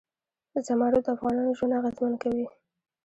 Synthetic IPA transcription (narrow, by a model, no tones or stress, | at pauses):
əzamɑɾod̪əafɣɑnɑnoʒwanaɣazmankawi